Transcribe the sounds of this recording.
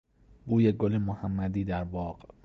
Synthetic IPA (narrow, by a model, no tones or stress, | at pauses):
buːjeɡolemohæmːæd̪iːd̪æɾbɒːɢ